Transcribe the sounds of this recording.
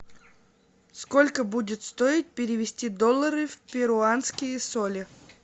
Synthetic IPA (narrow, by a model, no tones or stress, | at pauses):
skolʲkəbudʲɪt̪st̪oɪt̪̚pʲɪɾʲɪvʲɪsʲtʲid̪olˠːəɾɨfʲpʲɪɾʊanskʲɪjəsolʲɪ